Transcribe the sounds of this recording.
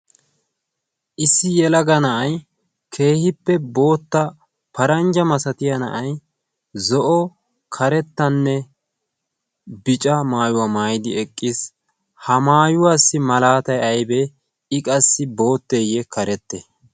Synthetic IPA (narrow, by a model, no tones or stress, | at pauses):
ʔɪsːɪjɛlɐɡɐnɐʔɐj | kʰe̞ːhɪpːɛbo̞ːt̪ːɐ | pɐɾɐnd͡ʒɐmɐsɐt̪ɪjɐnɐ̰ʔɐj | zɔʔɔ | kʰɐɾɛt̪ːɐnːɛ | bɪt͡ʃʼɐmaːjʊwaːmaːjɪd̪ɪɛkʼːɪs | hɐmaːjʊwaːsːɪmɐlaːt̪ɐjɐjbɛ | ɪkʼɐsːɪbo̞ːt̪ːeːjɛkɐɾɛt̪ːɛ